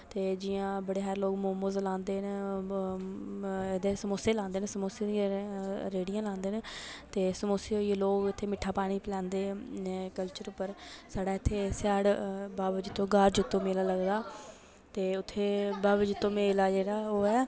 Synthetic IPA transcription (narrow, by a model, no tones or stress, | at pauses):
t̪eːd͡ʒɪjãːbəɽeːɦɛːɾloːkmoːmoːzlãːnd̪eːn | ed̪eːsəmoːseːlãːnd̪eːnːsəmoːseːd̪iaɾeːɽijãːlãːnd̪eːnt̪eːsəmoːseːɦoːieloːkɪt̪ʰːeːmɪʈʰːaːpaːɽ̃iːplɛ̃ːnd̪eːkəlt͡ʃəɾʊpːəɾsaːɽaːɪt̪ʰːeːsaːɽbaːbd͡ʒɪt̪ːõːɡaːɾd͡ʒɪt̪ːõːmeːlaːləɡd̪aː | t̪eːʊt̪ʰːeːbaːbd͡ʒɪt̪ːõːmeːlaːd͡ʒeːɽaːoːɛː